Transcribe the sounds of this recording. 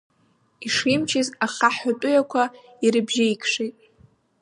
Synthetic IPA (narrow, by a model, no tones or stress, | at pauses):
iʂimt͡ʃʰɪzaχaħatʼʊjakʷʰa | iɾɨbʒaikʰʂitʼ